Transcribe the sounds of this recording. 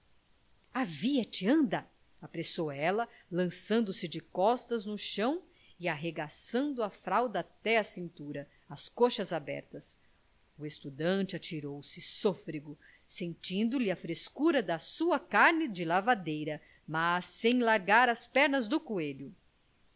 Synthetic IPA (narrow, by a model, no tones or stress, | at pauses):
aviɐt͡ʃɪɐ̃nd̪ɐ | apɾesowɛlɐ | lɐ̃sɐ̃nd̪ʊsɪd͡ʒɪkɔst̪ɐznʊʃɐ̃w̃ | ɪaɦeɡasɐ̃nd̪ʊɐfɾawd̪ɐːt̪ɛɐsĩnt̪uɾɐ | ɐskoʃɐzabɛ̰ɾt̪ɐs | ʊest̪ud̪ɐ̃nt͡ʃɪat͡ʃiɾowsɪsofɾiɡʊ | sẽnt͡ʃĩnd̪ʊlɪɐfɾeskuɾɐd̪ɐsuɐkaɾnɪd͡ʒɪlavad̪ejɾɐ | mɐsːẽj̃laɾɡaɾɐspɛɾnɐzd̪ʊkueʎʊ